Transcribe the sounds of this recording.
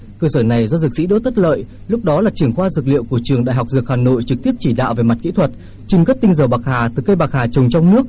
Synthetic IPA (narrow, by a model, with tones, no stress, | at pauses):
kəː˧səː˧˩na˨˩jzɔ˧z̚sḭ˧˥ɗo̰˧˥t̪ə˦˥t̚lə̰ː˧˨j | lʊ˦˥k͡p̚ɗɔ˨˦laː˨˩t͡ɕɨ˧˩əŋxwaː˧zɨ˨˩k̚lḭ˧˨əwku˧˩ət͡ɕɨ˨˩əŋɗa̰ː˧˨jɦwk͡p̚zɨ˨˩ək̚haː˨˩no̰˧˨jt͡ɕɨ˨˩k̚t̪i˦˥əp̚t͡ɕi˧˩ɗa̰ː˧˨wve˨˩ma˨˩t̚kḭ˧˥t̪ʰwə˨˩t̚ | t͡ɕi˨˩ŋɣə˦˥t̚t̪ï˧ŋ̟zəː˧˩ɓaː˨˩k̚haː˨˩t̪ɨ˨˩kə˧jɓaː˨˩k̚haː˨˩t͡ɕə˨˩wŋ͡mt͡ɕɔ˧wŋ͡mnɨ˦˥ək̚